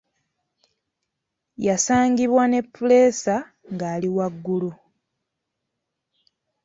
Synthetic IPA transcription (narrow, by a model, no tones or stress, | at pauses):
jasaːŋɡiβwane̞pːule̞ːsa | ŋɡaːliwaɡːulu